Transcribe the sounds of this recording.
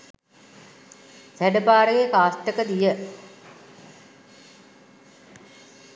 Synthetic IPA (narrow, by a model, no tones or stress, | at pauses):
sæɖəpaːɾəɡekaːsʈəkəd̪ijə